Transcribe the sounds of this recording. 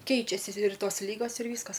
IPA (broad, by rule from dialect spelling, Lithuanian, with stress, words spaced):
ˈkʲɛɪt͡ʃʲɛsʲɪ ɪr ˈtoːs ˈlʲiːɡoːs ɪr ˈʋʲiːskɐs